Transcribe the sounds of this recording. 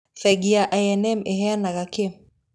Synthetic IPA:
fɛɡiaʔajɛnɛmɛɦɛanaɣakem

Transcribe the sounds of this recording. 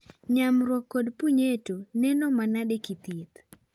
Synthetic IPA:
ɲamɾwɔkːɔdpuɲetonɛnɔmanadekit̪it̪

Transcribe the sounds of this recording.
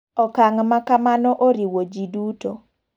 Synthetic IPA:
ɔkaŋmakamanɔʔoɾiwod͡ʒiduto

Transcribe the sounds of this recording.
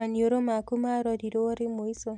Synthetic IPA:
anioɾomakumaɾɔdiɾoɾɪmoiso

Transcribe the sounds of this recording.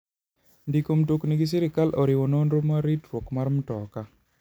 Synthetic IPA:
ndikomtokniɡis̬iɾɪkalʔɔɾɪwononɾomaɾitɾwokmaɾmutɔka

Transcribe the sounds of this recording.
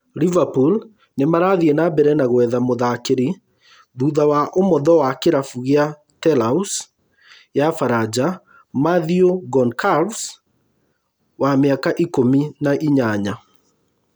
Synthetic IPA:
livapul | nemaɾaðiɛnabɛɾɛnaɣwɛðamoðakeɾi | ðuðawaʔomɔðɔwakeɾafuɣea | tɛlaus | jafaɾad͡ʒa | maðioɡɔnkals | wameakaʔikominaʔiɲaɲa

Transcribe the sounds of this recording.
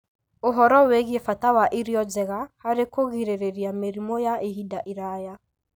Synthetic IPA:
oɦɔɾɔweɣiefatawaʔiɾiɔd͡ʒɛɣahaɾekoɣiɾeɾeɾiameɾimɔjaʔeɦidaʔiɾaja

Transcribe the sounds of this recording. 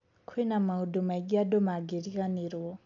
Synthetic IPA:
kʰwɛnamaudɔmaiɡiadɔmaɡeɾikaniɾwɔ

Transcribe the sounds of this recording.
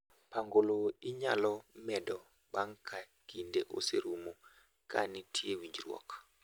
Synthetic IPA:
paŋɡoloɪɲalɔmɛdɔ | baŋkʰa | kindeʔo̰seɾumo | ka̰nitʰjewiɲd͡ʒrwɔ̰k

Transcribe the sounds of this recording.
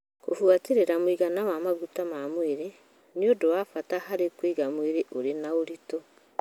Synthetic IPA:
ko̰fuateɾeɾamoiɣanawamaɣutamamweɾe | neodowafatahaɾekwiɣamweɾeʔoɾenaoɾito

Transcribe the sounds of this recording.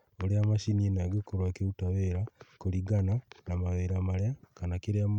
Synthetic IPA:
oɾeamaʃinienaɡekoɾwakeutaβeːɾakoɾiɡananamaβeɾamaɾjakanakeɾeam

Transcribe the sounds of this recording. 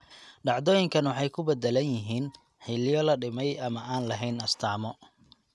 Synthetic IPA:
ɖɑʕd̪ɔːjɪŋkʰɐnwɑħɑjkʰʊbɛd̪ɛlɐnjɪɦiːn | ħɪlɪjɔlɐɖɪmɛjɐmɐaːnlɐɦɛjnɐst̪ʰaːmɔ

